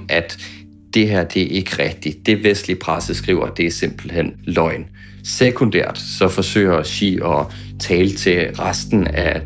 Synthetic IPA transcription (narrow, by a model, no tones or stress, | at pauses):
ʔæd̥ː | e̝ɦæɐ̰d̥e̝æe̝ɡ̥əʁɛɡ̥̚d̥i̥d̥e̝ʋesd̥lipʰʁasəsɡ̥ʁḭːʊɐd̥e̝æɐse̝m̰b̥l̩hen̰lɒ̽ɪn | sekʰo̝nd̥æɐ̰d̥sɒ̽fɒ̽sø̰ɪ̰ɐɕḭːɒ̽ | t͡sʰɛːlət͡sʰe̝ʁasd̥n̩æ